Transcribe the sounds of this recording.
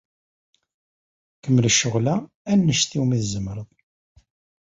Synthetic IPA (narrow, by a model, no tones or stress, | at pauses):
kəmːləʃːʊʁlæ | ænːəʃθiwmiθzəmɾˤəðˤ